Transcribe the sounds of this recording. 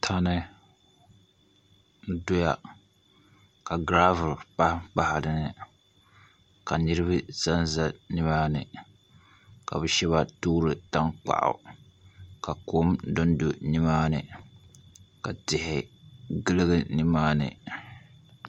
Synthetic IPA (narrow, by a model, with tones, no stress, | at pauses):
tʰa˦nɨ˦ | dʊ˦ja˨ | ka˨ɡɾaː˦vʊ˨ɾpa˦hk͡pa˦hɪ˨dɨ˨nɨ˨ | ka˨nɨ˦ɾɨ˦βɨ˦za˦nza˦nɨ˦maː˦nɨ˨ | ka̰˨bɨ˨ʃɛ˦βa˦tuː˦ɾɨ˨ta˦ŋk͡pa̰˨ʔʊ̰˨ | ka˨ko˦mdo˦n˦do˨nɪ˦maː˦nɨ˨ | ka˨tɪ˨hɪ˨ɡɨ˦lɨ˦ɡɨ˦nɨ˦maː˦nɨ̰˨